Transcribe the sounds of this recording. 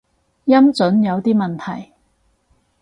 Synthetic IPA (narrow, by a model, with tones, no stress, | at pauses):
jɐ˥mt͡sɵ˨˥njɐ˨˧wt̪iː˥mɐ˨nt̪ʰɐ˨˩j